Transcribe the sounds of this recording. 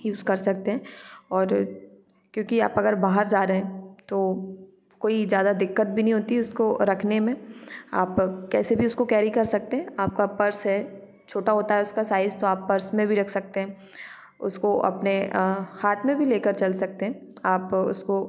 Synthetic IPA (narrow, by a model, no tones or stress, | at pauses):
juːzkɐɾsɐk̚t̪ẽɦɛ̃ːɔːɾ | kjõːkia̰ːpɐɡəɾbaːɦəɾd͡ʒaːɾeɦɛ̃t̪o | koːizjaːd̪ad̪ɪkːət̪̚bʱinɐɦĩɦoːt̪iɛʊskoɾɐkʰnemẽa̰ːpkɛːsebʱiʊskokɛːɾikɐɾsɐk̚t̪eɦɛ̃aːp̚kapɐɾsɦɛ | t͡ʃʰoːʈaɦoːt̪aɦɛʊskasaːɪzt̪oaːpːɐɾsmẽbʱiɾɐkʰsɐk̚t̪ẽɦɛ̃ː | ʊ̰skoʔɐ̰pnehaːt̪ʰmẽbʱileːkəɾt͡ʃɐlsɐk̚t̪eɦɛ̃aːpʊ̰sko